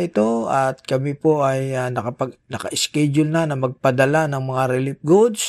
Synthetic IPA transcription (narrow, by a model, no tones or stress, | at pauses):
ʔɪt̪o̞ɐt̪̚kɐmɪpo̞ʔɐjɐnɐkɐpɐɡnɐkɐ̰ʔɪskɛd͡ʒʊlnanɐmɐɡ̚pɐd̪ɐlanɐŋmɐŋaɾɪlɪp̚ɡud̪s